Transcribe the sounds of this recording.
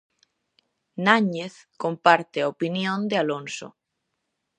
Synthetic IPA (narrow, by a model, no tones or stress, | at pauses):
naɲeθkompaɾt̪eaopinjõnd̪ealonso̰